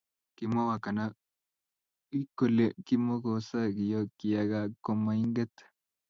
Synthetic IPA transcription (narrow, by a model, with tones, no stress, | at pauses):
ki˨mo˦wa˨ka˨na˦ | i˦ko˨le˨ki˦mo˦ko˨˦sa˦ki˨jo˦ki˨ja˨ɡa˦ko˨ma˨i˦ŋɡɛ˦t̪